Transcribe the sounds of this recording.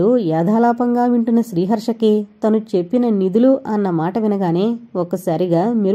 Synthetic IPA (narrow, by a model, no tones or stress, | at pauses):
ujaːd̪ʱaːlaːpɐŋɡaːʋiɳʈinɐʃɾiːɦɐɾʂɐkit̪ɐnut͡ʃe̞pːinɐnid̪uluʔɐnːɐmaːʈɐʋinɐɡaːne̞ːɔkːɐsaːɾiɡaːmiɾ